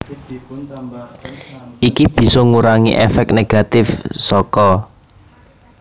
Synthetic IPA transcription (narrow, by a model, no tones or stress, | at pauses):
ikib̥i̤sɔŋuɾaŋḭʔḛfɛk̚neɡ̥a̤t̪ɪfsɔkɔ